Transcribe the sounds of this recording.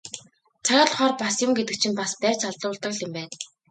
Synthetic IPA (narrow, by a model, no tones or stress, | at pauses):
t͡sʰaɾaːɮχɔːrpasjʊmɡet̪ɘ̆k̚t͡ɕʰĭmpaspæːt͡ɕʰaɮʊːɮt̪ə̆kɮɪ̆mpæːn